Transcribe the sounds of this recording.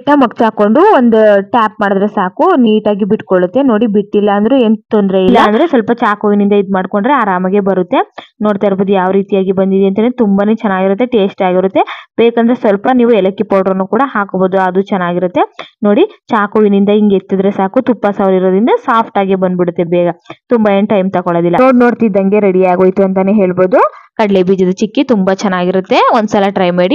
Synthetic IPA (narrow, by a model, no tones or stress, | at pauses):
nɐmɐkt͡ʃaːko̞ɳɖuond̪uʈaːp̚maːɽd̪ɐɾe̞saːkuniːʈaːɡibiʈkoɭut̪ːe̞no̞ːɽibiʈːilːɐɐnd̪ɐɾeeːnt̪ond̪ɾeilːɐɐnd̪ɐɾesʋɐlpɐt͡ʃaːkoʋinind̪ɐid̪maːɖkoɳɖɾeaːɾaːmɐɡe̞bɐɾut̪ːe̞noːɽt̪aːɾboːd̪ujaːʋɾiːt̪ijaːɡibɐnd̪id̪eɐnt̪ɐenːt̪umbane̞ːt͡ʃɛnːaːɡiɾut̪ːe̞ʈe̞ːsʈaːɡiɾut̪ːebeːkɐnd̪ɐɾesʋɐlpɐniːʋuɛlɐkːipoːɾʈonukuːɽɐɦaːkboːd̪uɐd̪ut͡ʃɛnːaːɡiɾut̪ːe̞no̞ːɽit͡ʃaːkoʋinind̪ɐiŋɡet̪ːid̪ɐɾesaːkut̪upːɐsaːʋliɾoːd̪ind̪ɐsaːpʰʈaːɡebɐnd̪biɽut̪ːebɛːɡɐt̪umbɐenʈɐjmt̪ɐkoɭoːd̪ilːɐnoːɽnoːɽt̪id̪ːɐŋɡe̞ɾeɽiaːɡoːjt̪uɐnt̪ɐneɦe̞ːɭbo̞ːd̪ukɐɖlebiːd͡ʒɐd̪ɐt͡ʃikːit̪umbɐt͡ʃɛnːaːɡiɾut̪ːe̞ond̪sɐlɐʈɾɐjmeːɽi